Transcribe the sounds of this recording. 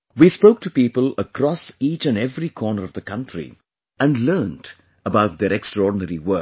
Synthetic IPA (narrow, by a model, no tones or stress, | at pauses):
wiːspoʊk̚ʈʰupiːpələkʰɾɔsiːt͡ʃɨ̃nɛvɾikʰɔːnəɾʌvðəkʌ̃ntʰɾḭ | æ̃nlɜːnt | əbaʊt̚d̪əɾɛkstɾɔːɖnəɾiwɜ˞